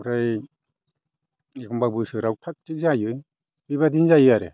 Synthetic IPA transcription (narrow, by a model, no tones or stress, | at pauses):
ɾaj | ekʰɔmbabɯsɯɾaw̚pʰak̚tik̚zajɯj | bibadinzajɯjaɾḛ